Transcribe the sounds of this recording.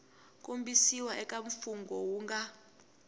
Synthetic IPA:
k̬ʼumbisiwaʔɛk̬ʼaɱ̩fuŋɡʱɔwuːŋɡa

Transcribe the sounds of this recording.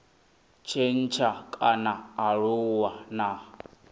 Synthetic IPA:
t͡ʃʰen̩t͡ʃʰakʼanaːɺuwana

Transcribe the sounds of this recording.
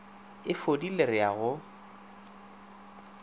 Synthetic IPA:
ɪfodilerɪaɣʊ

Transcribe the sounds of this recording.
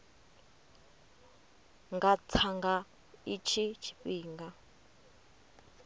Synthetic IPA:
ŋɡat͡sʰaŋɡa | it͡ʃʰit͡ʃʰi̥ɸiːŋɡa

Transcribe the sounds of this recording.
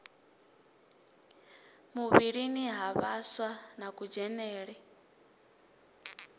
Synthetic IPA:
muβiɺiniɦaβaswanakʼud͡ʒɛnɛːɺɛ

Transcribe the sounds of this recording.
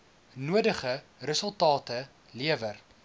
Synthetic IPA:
nuədəχə | rəsəlˠtɑːtə | liəvər

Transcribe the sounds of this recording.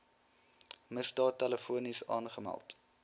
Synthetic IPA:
məsdɑːtːɛləfuənisɑ̰ːnχəmæ̰lˠt

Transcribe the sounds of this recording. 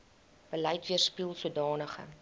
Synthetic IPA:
b̥əlɛjtviərspilˠsuədɑːnəχə̰

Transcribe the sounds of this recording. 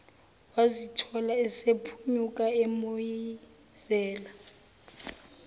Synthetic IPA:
wazitʰɔlaɛsepʰuɲukʼaemoji | z̥ɛːla

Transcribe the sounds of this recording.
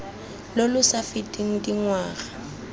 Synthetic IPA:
lolʊsafɪtʼiŋ̩diŋwaːɣa

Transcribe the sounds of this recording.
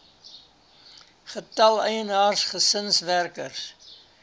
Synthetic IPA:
χətɐlˠəjənɑːrsχəsənsværkə̰rs

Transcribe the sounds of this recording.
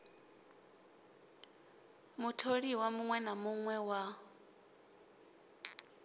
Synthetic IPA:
mutʰoɺiwamuŋwɛnamuŋwɛwa

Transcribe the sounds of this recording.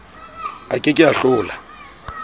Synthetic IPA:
a̰kʼɪkʼɪaɬʊːla

